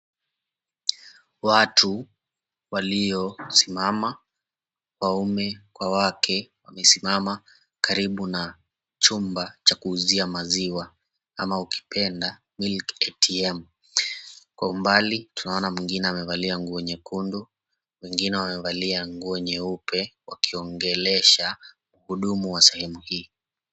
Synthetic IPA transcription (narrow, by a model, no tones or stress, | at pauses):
watʰu | waliɔsimama | kwaumɛkwawakʰɛwamɛsimama | kaɾiɓuna | t͡ʃumbat͡ʃakuːziamaziwa | amauki̥pʰɛnda | milkɛtiɛm | kwaumbalitunaɔnamwiŋɡinɛamɛvaliaŋɡuɛɲɛkundu | wɛŋɡinɛwamɛvaliaŋɡuɛɲɛupɛwakiɔŋɡɛlɛʃa | uhuɗumuwasɛhɛmuhiː